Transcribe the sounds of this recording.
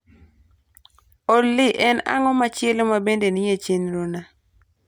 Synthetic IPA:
olːɪʔɛna̰ŋɔmat͡ʃɪelomabendenɪjet͡ʃenɾona

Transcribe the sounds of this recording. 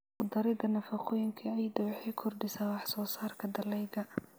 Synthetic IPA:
ʊd̪ɐɾɪd̪ɐnɐfɑqɔːjɪŋkʰɐɛjd̪ɐwħijkʰɔrɖɪsaːwɑħsɔːsaːrkʰɐd̪ɐlɛjɡɐ

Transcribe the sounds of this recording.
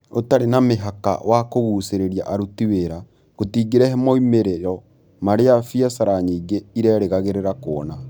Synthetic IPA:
otaɾenameɦaka̰wakoβuːseɾeɾia̰ʔaɾutiweɾa | ɣotiːɡeɾɛɦɛmɔimeɾeɾɔ | maɾeafiasaɾaɲiːŋɡeiɾɛɾeɣaɣeɾeɾakoɔna

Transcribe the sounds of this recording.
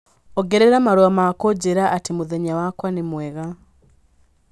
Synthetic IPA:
oɡeɾeɾamaɾoamakoɟeɾaʔːtimuðeɲawakwanimweɣa

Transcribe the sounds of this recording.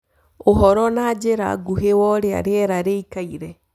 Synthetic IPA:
oɦɔɾɔnad͡ʒeɾa̰ɡuhewɔɾea̰ɾeɛɾaɾeikaiɾɛ

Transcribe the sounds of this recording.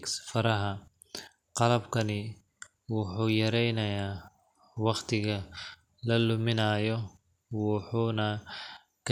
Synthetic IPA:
ksfɐɾɐɦɐ | qɑlɐbkʰɐnɪ | wʊħuːjɐɾɛjnɐjaː | wɑqt̪ʰɪɣɐ | lɐlʊmɪnaːjɔ | wɑħuːnɐ | kʰɐ

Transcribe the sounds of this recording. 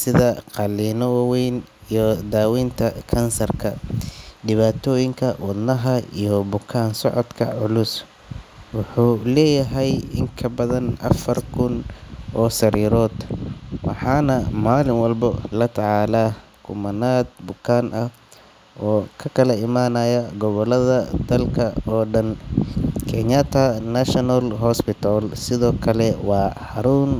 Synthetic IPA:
sɪðɐqɑliːnɔwaːwɛjn | ijɔd̪aːwiːnt̪ʰɐkʰɐnsɐrkʰɐɖɪβaːt̪ʰɔːjɪŋkʰɐwɐd̪nɐɦɐḭjɔbʊkʰaːnsɔʕɔd̪kʰɐ̰ʕʊlʊs | wʊħuːlɛːjɐɦɛjɪŋkʰɐbɐðɐnʔɐ̰fɐrkʰʊnʔɔːsɐɾiːɾɔːd̪̥wɑ̰ħɑːnɐmaːlɪŋwɑlbɐlɐt̪ʰɑʕɑːlaːkʰʊmɐnaːd̪̚bʊkʰaːnʔɐh | ʔɔːkʰɐkʰɐlɐɪmaːnɐjɐɡɔβɔlɐðɐd̪̥ɐlkʰɐɔːɖɐn | kʰɛɲat̪ʰɐnɐʃɔnɐlɦɔspɪt̪ʰalsɪðɔːkʰɐlɛwɑːhɐɾuːn

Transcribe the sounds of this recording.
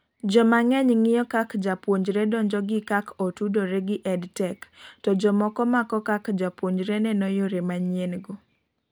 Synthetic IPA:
d͡ʒɔmaŋɛɲŋɪjɔkakd͡ʒapwoɲd͡ʒɾedɔɲd͡ʒɔɡɪkakɔtudoɾeɡɪʔɛdtɛktɔd͡ʒɔmɔkɔmakɔkakd͡ʒapwoɲd͡ʒɾenɛnɔjoɾemaɲenɡo

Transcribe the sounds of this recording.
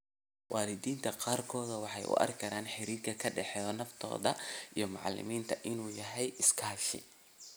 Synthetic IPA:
wʔɑːlɪðiːnt̪ʰɐqaːrkʰɔːðɐwɑħɑjʔʊ̰ʔɐ̰rkʰɐɾaːnħɪɾiːkʰɐkʰɐɖɛħɛːɔːnɐft̪ʰɔ̰ːðɐ̰ʔijɞmɑʕlɪ̰miːnt̪ʰɐʔɪnuːjɐɦɛjɪskʰaːʃɪ̰

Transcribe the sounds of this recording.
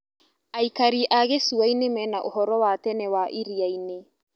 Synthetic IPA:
aikaɾiʔaɣesuainemɛnaʔohɔɾɔwatɛnɛwaʔiɾiaine

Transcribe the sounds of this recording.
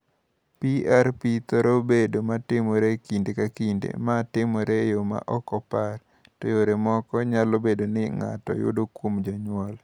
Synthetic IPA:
piaɾpit̪ɔɾobedomatɪmoɾekindekakindḛmatɪmɔɾejoma̰ʔɔkɔpar | to̰joɾemɔkɔɲalobedonɪŋa̰tɔ̰jʊ̰dokwomd͡ʒɔɲwɔl

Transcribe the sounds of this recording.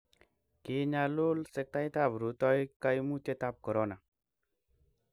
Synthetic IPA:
keɲalolsek̚t̪ajt̪abɾut̪ɔjkajmut̪et̪ap̚kəɾɔna

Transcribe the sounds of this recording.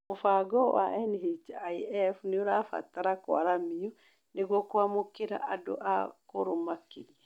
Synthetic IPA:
mofaɡɔwa̰ʔɛnɦet͡ʃaiɛfuneoɾafa̰taɾakwa̰ɾamiɔ | neɣwɔkwamokeɾa̰ʔado̰ʔakoɾomakeɾia

